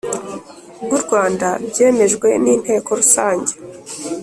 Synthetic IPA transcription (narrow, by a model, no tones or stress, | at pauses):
bɡuɾɡwaːndabɟe̞ːme̞ʒɡwe̞niːn̥he̞ːko̞ɾusaːɲɟe̞̥